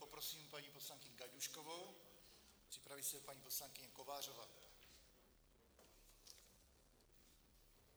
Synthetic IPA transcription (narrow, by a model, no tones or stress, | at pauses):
popɾosiːmpaɲiːpo̞slaŋkɪɲɪɡaɟuʃkovo̞w | pr̝̥ɪpɾavisɛpaɲiːpo̞slaŋkɪɲɛkovaːr̝ova̰t̪